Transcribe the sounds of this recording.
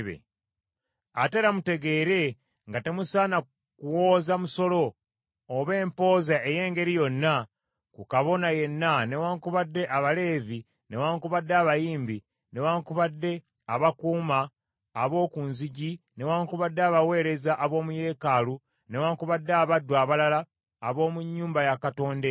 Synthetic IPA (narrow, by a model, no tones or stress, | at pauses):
βḛ | ateɾamute̞ɡe̞ːɾe̞ | ŋɡate̞musaːna | kuwo̞ːzamuso̞lo̞ː | βe̞ːmpo̞ːzaʔeje̞ːŋɡe̞ɾijo̞nːa | kukaβo̞naje̞nːane̞waːŋkuβadːe̞ʔaβale̞ːvi | ne̞waːŋkuβadːeaβajiːmbi | ne̞waːŋkuβadːe̞ | aβakuːmaː | βo̞ːkunziɟine̞waːŋkuβadːeaβawe̞ːɾe̞zaʔːβo̞ːmuje̞ːkalu | ne̞waːŋkuβadːeaβadːwaːβalalaː | βo̞ːmuɲːuːmbajakato̞ːnde